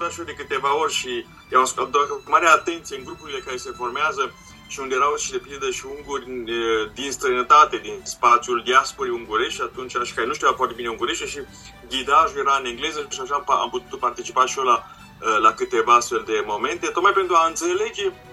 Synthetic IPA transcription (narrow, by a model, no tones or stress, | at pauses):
t̪at̪ʃiod̪e̞kɨt̪e̞vao̞rʲʃi | aasd̪akut̪maɾeat̪ent̪sijeɨnɡɾupuɾile̞kaɾe̞se̞fo̞rmeazə | ʃiund̪eeɾawʃid̪e̞pind̪əʃiuŋɡurʲd̪inst̪ɾənət̪at̪e̞d̪inspat̪siuld̪iaspoɾeuŋɡuɾeʃʲat̪unt͡ʃeaʃi̥kaɾenuʃt̪iuafoart̪ebineuŋɡuɾeʃt̪eʃi | ɡid̪aʒuje̞ɾaɨneŋɡle̞zəʃaʃaa̰mput̪u̥t̪part̪it͡ʃi̥paʃiola | lakɨt̪e̞vaast̪fe̞ld̪e̞mo̞me̞nt̪et̪ot̪majpe̞nt̪ɾuaɨnt̪sele̞d͡ʒe̞